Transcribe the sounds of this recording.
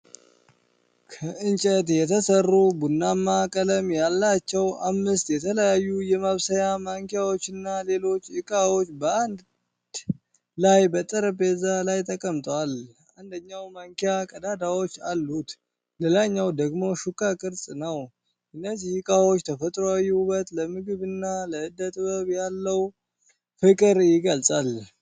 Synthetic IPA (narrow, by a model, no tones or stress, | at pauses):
kʰəɨnt͡ʃʼət̪jɛt̪ʰəsərːubunːamːakʼələmjalːat͡ʃːɛwamːɨst̪jɛt̪ʰələjajːujɛmaβsəjamaŋkijawo̞t͡ʃːɪnːale̞lo̞t͡ʃːɨkʼawo̞t͡ʃːbəand̪ | lajbət̪ʼəɾəbe̞zalajt̪ʼəkʼəmt̪ʼwal | ʔand̪əɲːawmaŋkijakʼəd̪ad̪awo̞t͡ʃːalːut̪ | lelaɲːawd̪əɡmo̞ʃukʼːakʼɨɾsʼnəw | ʔɨnːəzihɨkʼawo̞t͡ʃːt̪ʰəfət̪ʼɾoajːuubət̪ləmɨɡɨβɨnːaləɨd̪ət̪ʼβəβjalːəw | fɨkʼɨɾjɪɡəlsʼal